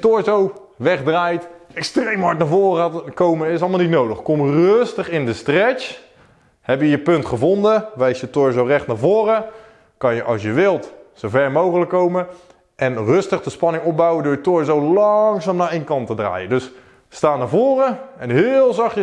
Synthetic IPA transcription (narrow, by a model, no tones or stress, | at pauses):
tʊɹzow | ʋɛχdraːjtɛkstrejmɦɑɹtnavoːrəaːkowməɪsɑlˠmalˠnitnowdəχkomrɵøstəχɪndəstrɛt͡ʃ | hɛpjəjəpɵntχəvondəʋɛjsjətʊɹzowrɛχtnaːvoːrə | kɑnjəʔɑ̰lˠsjəʋɪlˠtsowvɛrmowχələkːowmə | ɛnrøstəχdəspɑnɪŋɔp̚bawədʊːjətoɹzowlɑŋsaːmnaːejnkɑntədra̰ːjədøs | staːnavoːrəɛnɦɪːlˠzɑχə